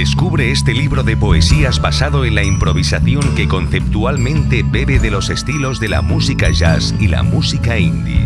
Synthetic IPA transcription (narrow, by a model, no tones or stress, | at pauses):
d̪e̞skuβɾe̞est̪e̞liβɾoðe̞po̞e̞siazbasaðo̞enlaimpɾo̞β̞isaθjo̞ŋke̞ko̞nθe̞p̚t̪ualmẽ̞nt̪e̞be̞βe̞ðe̞lo̞se̞st̪ilo̞zðe̞la̰musikaʒasila̰musikaind̪ḭ